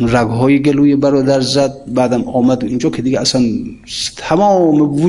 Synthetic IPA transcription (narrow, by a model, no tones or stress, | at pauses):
ɾaɡɦɔːjiɡelujibaɾɔd̪aɾzad̪̚bad̪amɔmad̪uind͡ʒɔkʰed̪iɡaasant̪ʰamɔmvu